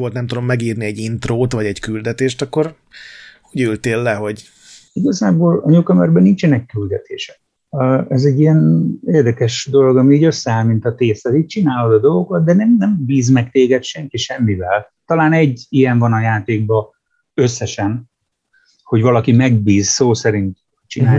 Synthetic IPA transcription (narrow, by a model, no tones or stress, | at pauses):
olt̪nɛmt̪ud̪o̞mːɛɡiːrniɛɟint̪roːt̪vɒɟɛɟkyld̪ɛt̪eːʃt̪ɒkːo̞r | hoɟylt̪eːlːɛɦo̞ɟ | iɡɒzaːboːlɒɲokɒmɛrbɛnint͡ʃɛnɛkːyld̪ɛt̪ḛːʃɛ̥kː | ɛzɛɟːijɛneːrd̪ɛkɛʃd̪o̞lo̞ɡɒmiiːɟø̞sːɛaːlmint̪ɒt̪eːsɛziːc̚t͡ʃinaːlo̞d̪ɒd̪o̞lɡo̞kɑt̪̚d̪ɛnɛmnɛmbiːzmɛkt̪eːɡɛt̪ʃɛŋkiʃɛmːivɛl | t̪ɒlaːnɛɟːijɛɱvɒnɒjaːt̪eːɡ̚bɒ | øsːɛʃɛn | ho̞ɟvɒlɒkimɛɡ̚biːzsoːsɛɾint̪ | t͡ʃinaː